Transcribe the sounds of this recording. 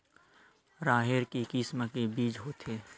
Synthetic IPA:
ɾaːɦeɾkikiːsmakebiːd͡ʒɦoːt̪ʰeː

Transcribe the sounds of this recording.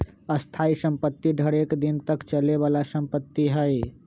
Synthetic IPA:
əst̪ʰaisə̃mpət̪ːiɖʱəɽekd̪int̪əkt͡ʃəleβalasə̃mpət̪ːiɦəj

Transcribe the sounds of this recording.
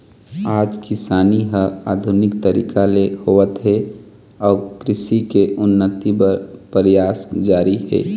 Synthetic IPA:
aːd͡ʒkɪsaːniɦəa̰ːd̪ʱʊnɪk̚t̪əɾḭːkʰalehoːʋət̪ɦɛ | ɔːɾkɾɪsikeʔʊnːət̪ibəɾpəɾjaːsd͡ʒaːɾiɦɛ̰ː

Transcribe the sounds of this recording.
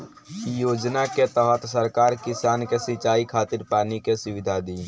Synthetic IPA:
kijoːd͡ʒnaket̪əɦət̪səɾkaːɾkisaːnkesĩt͡ʃaːikʰaːt̪iɾpaːnikesuʋid̪ʱad̪i

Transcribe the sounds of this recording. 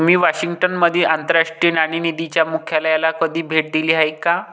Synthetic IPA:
m̤iːʋaɕiŋɡʈənməd̪ʱiːʔant̪əɾaʂʈɾinaɽ̃inid̪it͡ɕjamukʰjalajalakəd̪ʱiːbʱeʈ̚d̪iliːɦajka

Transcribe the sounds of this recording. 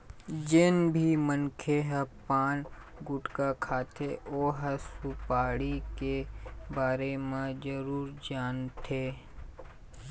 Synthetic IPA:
d͡ʒɪnbʱimənkʰeɦəpaːn | ɡʊʈkakʰaːt̪ʰeʔoːɦəsupaːɽikebaːɾemãd͡ʒəɾuːɾd͡ʒaːnt̪ʰeː

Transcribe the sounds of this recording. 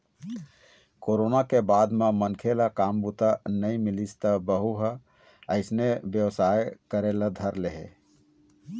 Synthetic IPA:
koɾonakebad̪memənkʰelakambut̪anəimilist̪əbəɦuɦə | əɪsnebjəwsajkəɾelad̪ʱəɾleɦḛ

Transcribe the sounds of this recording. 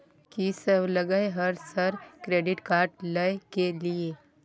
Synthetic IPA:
kisəbləɡəeɦɐɾsɐɾkɾeːɖɪʈkaːɾʈləkelie

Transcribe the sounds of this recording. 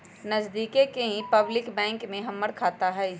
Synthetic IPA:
nɐzd̪iːkekeɦĩpɐblɪkbɛ̃ːŋkmẽɦɐmːəɽkʰaːt̪aɦɛ

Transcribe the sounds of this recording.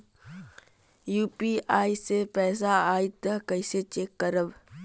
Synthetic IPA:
juːpiaːisepɛːs̬aaːit̪əkəɪset͡ʃeːkːəɾəb

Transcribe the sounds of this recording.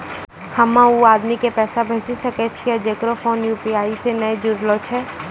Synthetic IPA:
hɐmãuaːd̪mikepɛːsabʱeːt͡ʃisɐkɛt͡ʃʰiad͡ʒeːkɾofʰoːnjuːpiaːisenəed͡ʒʊɽlot͡ʃʰɛ

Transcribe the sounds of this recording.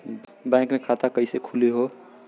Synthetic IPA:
bɛ̃ːŋkmẽkʰat̪akəɪsekʰuleɦo

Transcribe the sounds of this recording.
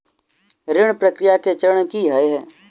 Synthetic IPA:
ɾɪɳ̃pɾəkɾɪjaket͡ʃəɾəɳkiɦəeɦɛː

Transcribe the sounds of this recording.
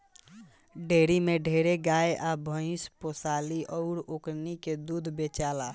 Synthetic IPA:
ɖʱeɾimeɖʱeɾeɡajʔabʱə̃ɪ̃sposaliʔɔʊɾokɾniked̪ud̪ʱbet͡ʃala

